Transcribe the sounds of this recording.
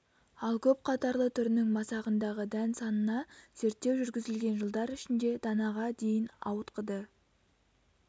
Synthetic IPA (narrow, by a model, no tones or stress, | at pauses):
ɑlˠkʲʰɵp̚qʰɑt̪ɑɾlˠət̪ʰʏɾɪnɪŋmɑsɑʁənd̪ɑʁəd̪ænsɑnənɑz̥eɾt̪ːe̞wʒʏɾɡʲɪzɪlɡʲe̞nʒəlˠd̪ɑɾʏʃɪnd̪e̞d̪ɑnɑʁɑd̪e̞jɪnɑ̰wət̪qəd̪ə